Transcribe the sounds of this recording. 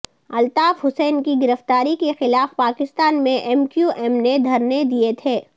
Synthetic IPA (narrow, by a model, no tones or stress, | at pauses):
ɐlt̪aːfɦʊsɛːnkiɡɪɾəft̪aːɾikexɪlaːfpaːkɪst̪aːnmẽʔɛːmkjuʔɛːmned̪ʱɐɾned̪iet̪ʰeː